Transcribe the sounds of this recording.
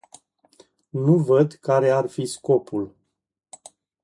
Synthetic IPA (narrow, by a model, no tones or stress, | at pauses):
nuvəd̪kaɾe̞arfisko̞pʰul